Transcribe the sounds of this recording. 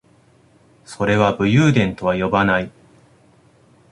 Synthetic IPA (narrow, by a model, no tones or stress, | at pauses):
so̞ɾe̞βabɯ̟jɯːd̪ẽ̞nt̪o̞βajo̞banai